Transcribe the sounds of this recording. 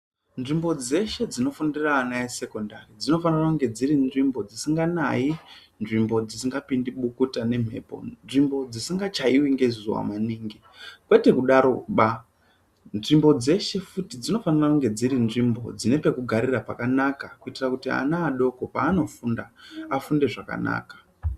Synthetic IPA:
nʐimbo̞d͡ze̞ʃe̞d͡zino̞fundiraːnaese̞ko̞ndarid͡zino̞fanirakuŋɡe̞d͡ziɾinʐimbo̞d͡zisiŋɡana̰i | nʐimbo̞d͡zisiŋɡapindiɓukutane̞m̤e̞ːpo̞̰nʐimbo̞d͡zisiŋɡat͡ʃaiwiŋɡe̞zuwa̰maniːŋɡi | kwe̞te̞kuɗaɾoɓa | nʐimbo̞d͡ze̞ʃe̞futid͡zino̞fanirakuŋɡe̞d͡ziɾinʐimbo̞̰d͡zine̞pe̞kuɡʱaɾirapakanakakuitirakutia̰naːɗo̞ko̞paːno̞fundaafunde̞ʐaka̰na̰ːkḁ

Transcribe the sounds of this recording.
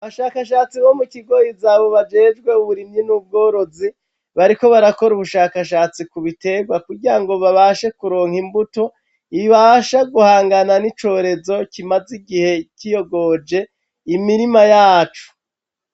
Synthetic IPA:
aβaʃaːkaʃaːt͡siβo̞mukiɡo̞jizaːβo̞βad͡ʒe̞ːd͡ʒɡwe̞uβuɾimɲinub̚ɡo̞ːɾo̞zi | βaɾiko̞βaɾako̞ɾuβuʃaːkaʃaːt͡sikuβite̞ɡwakuɾɡiɾaŋɡo̞βaβaʃe̞kuɾo̞ːŋhimbuto̞ | iiβaʃaɡuhaːŋɡananit͡ʃo̞ɾe̞zo̞cimaziɡihe̞cijo̞ɡo̞d͡ʒe̞ | imiɾimajaːt͡ʃu̥

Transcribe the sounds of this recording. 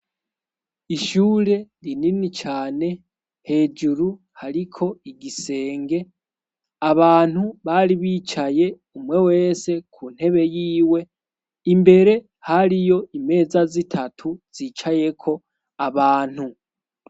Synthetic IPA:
iʃuːɾe̞ɾininit͡ʃaːne̞ | he̞ːd͡ʒuɾu | haɾikʰo̞iɡise̞ːŋɡe̞ | aβaːn̥huβaɾiβiːt͡ʃaje̞ | umwe̞we̞ːse̞kʰuːn̥he̞βe̞jiːwe̞ | imbe̞ɾe̞ | haɾijo̞ime̞ːzazitʰatʰuz̥iːt͡ʃaje̞kʰo̞ | aβaːn̥hu

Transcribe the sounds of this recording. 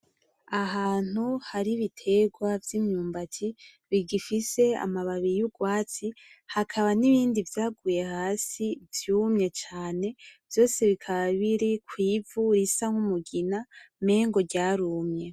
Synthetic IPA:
aɦaːn̥huhaɾiβitʰe̞ɡwavjimɲuːmbatʰi | βiɡifise̞a̰maβaβiɾijuɡwaːt͡si | hakʰaβaniβiːndivjaːɡuːje̞haːsivjuːmɲe̞t͡ʃaːne̞vjo̞ːse̞βikʰaβaβiɾikwiːvuɾisaŋhumuɡiname̞ːŋɡo̞ɟaːɾumɲe̞

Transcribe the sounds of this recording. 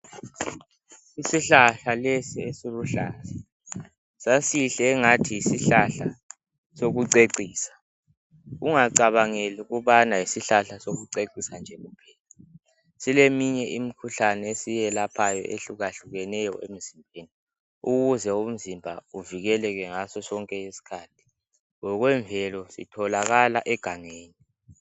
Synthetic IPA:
isiɬaɬalesiesiluɬaːzɛ | sasiɬɛːŋatʰijisiɬaɬa | soɣuǀeǀiːsḁ | uŋaǀaβaŋeluɣuβanaisiɬaɬasoɣuǀeǀisand͡ʒʱɛɣupʰɛːla | silemiɲɛʔim̩kʰuɬanɛesijɛlapʰajɔ̰ʔeɬuɣaɬuɣɛnɛjɔ̰ʔḛm̩zimbʱeːni | uɣuzɛum̩zimbʱauviɣɛlɛɣɛŋasɔsɔŋkʼɛesi̥kʰaːtʰi̥ | ŋɔɣwɛɱvʱɛlɔsḭtʰɔlaɣalaʔɛɡ̥ʱaŋeːni

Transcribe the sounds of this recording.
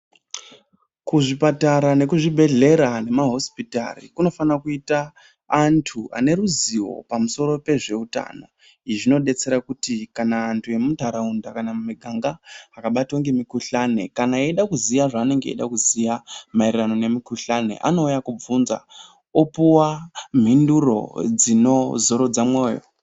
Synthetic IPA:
kuʐipataɾane̞kuʐibʱe̞ɮe̞ɾane̞maɦo̞spita̰rḭkuno̞fanakuitaː | ntʰua̰ne̞ɾuziwo̞̰pamuso̞ɾo̞pe̞ʐe̞uta̰na | iʐino̞ɗe̞t͡se̞ɾakutikanaːntʰue̞mutaɾaundakanamumiɡʱaŋɡaakaɓatoŋɡe̞mikuɬane̞kanaeiɗakuzijaʐaːne̞ŋɡe̞ḛɗakuzijamairirano̞ne̞mikuɬane̞̰ʔa̰no̞ujakub͡vunza̰ | opuwam̤induro̞̰d͡zino̞zo̞ɾo̞d͡zamwo̞ːjo̰

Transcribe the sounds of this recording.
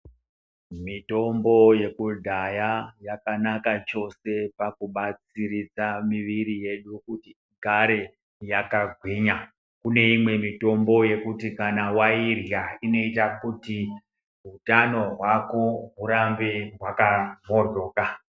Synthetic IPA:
mito̞mbo̞je̞kudʱajajakanakat͡ʃo̞se̞pakuɓat͡siɾid͡zamiʋirije̞ɗukuti | ɡʱaɾe̞ | jakaɡʱwiɲa | kune̞imwe̞mito̞mbo̞je̞kutikanawairjaino̞itakuti | ɦutano̞ɦwako̞ɦuɾambeɦwakamorʱo̞ːka

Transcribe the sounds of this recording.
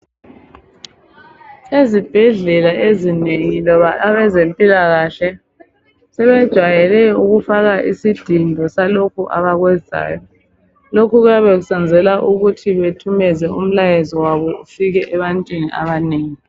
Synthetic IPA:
sezib̥ʱɛɮɛlaezineŋilɔβaʔaβɛzempʼilaɣaɬɛ | sɛβɛd̥ʒ̥ʱwajɛlɛuɣufaɣaʔisid̥ʱindʱɔsalokʰuʔa̰βaɣwɛza̰ːjɔ | lokʰuɣwjaβeɣusand͡zʱɛlaʔuɣutʰiβetʰumɛzɛum̩lajezɔwaβɔufiɣɛʔɛβantʼwiniʔa̰βaneːŋi

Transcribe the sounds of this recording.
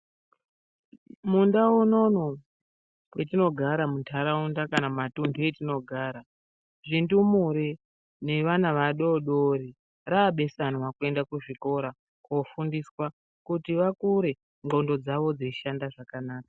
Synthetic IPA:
mundaono̞no | wetino̞ɡʱaɾamuntʰaɾaundakanamatundʱuetino̞ɡʱaːɾa | ʐindumuɾi | ne̞ʋanaʋaɗo̞ɗoɾi | raːɓe̞sanwakue̞ndakuʐiko̞ɾa | kofundiswa | kutiʋakuɾe̞ | ŋɡo̞ndo̞d͡zaʋo̞d͡ziiʃandaʐakanaːkḁ

